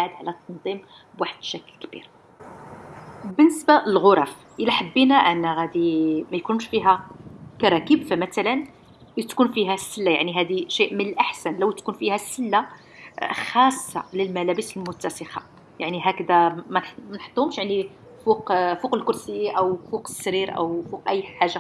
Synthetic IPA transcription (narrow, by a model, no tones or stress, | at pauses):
aʕəd̪ʕlæt̪ˤːɑnd̪ˤim | bwaħəd̪̥ʃækəlkb̥ḭɾ | bənːəsbaəlɣoɾˤɑf | ʔəlæħəbːinæʔənːæɣæd̪imæjkunʃfiɦækɑɾˤɑkibfæmæt̪ælən | lit̪kunfiɦæsːəlːajaʕniɦæd̪iʃiʔmənəlʔaħsænləwt̪kunfihæsːəlːa | xɑsˤːɑ̰ləlmælæbəsəlmʊt̪ːæsəxɑ̰ | jaʕniɦækd̪æmæmænħə̥t̪ˤːhʊmʃjaʕni | fuqfuqəlkʊɾsijːiʔæwfuqə̥sːɾiɾʔæ̰wfuqʔæjːħaʒːa